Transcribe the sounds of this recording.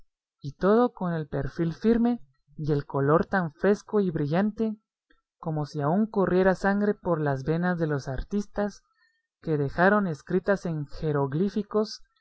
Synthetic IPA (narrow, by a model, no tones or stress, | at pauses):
it̪o̞ð̞o̞ko̞ne̞lpe̞ɾfilfiɾme̞ | je̞lko̞lo̞ɾt̪aɱfɾe̞sko̞iβɾiʝant̪e̞ | ko̞mo̞siauŋko̞rje̞ɾasaŋɡɾe̞po̞ɾlazβe̞nazðe̞lo̞saɾt̪ist̪as | ke̞ðe̞xaɾo̞ne̞skɾit̪ase̞ŋxe̞ɾoɣlifiko̞s